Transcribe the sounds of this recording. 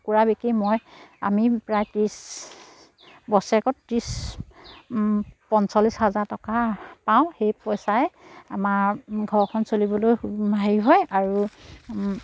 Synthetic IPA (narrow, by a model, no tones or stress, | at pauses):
kuɹabekimɔja̰mipɹajtis | bɔsɛkɔttɹis | pɔnsɔlishazaɹtɔkapaʊ̃xejpɔjsaɛa̰maɹɡʱɔɹkʰɔnsolibɔlojmʱaɦiɦɔjaɹu